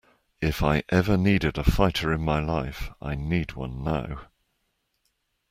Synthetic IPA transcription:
ɪfaɪʔɛvəniːdɪdəfaɪtʰəɹɪ̃nmaɪlaɪfʔa̰ɪniːd̚wʌ̰̃nːaʊ

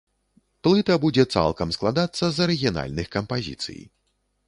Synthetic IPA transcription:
plˠɨt̪ɐbud͡zʲɛt̪sa̰lˠkɐmsklˠad̪at̪sːɐzɐɾɨɣʲijana̰lʲnɨxkɐmpazʲḭt̪sɨ̰j̰

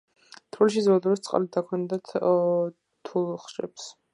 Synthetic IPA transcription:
t̪ʰɾilʃizɔlad̪ɔɾɛst̪sʼqʼa̰lid̪d̪akʰwɛnd̪at̪ʰ | t̪ʰulˠχʃɛ̰ps

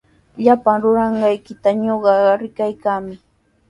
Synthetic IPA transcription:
ʎapaŋɾʊɾɑɴɢɑjkɪt̪aɲoɢɑɾɪkajkaːmɪ

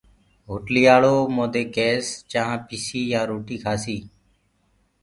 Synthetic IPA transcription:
ɦʊʈliːaːɭoːmõːd̪eːkeːst͡ʃaɦãːpisiːjãːɾoːʈiːkʰaːsiː

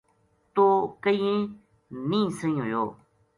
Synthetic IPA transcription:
t̪okəjẽ | nĩːsə̃ɲõjoː

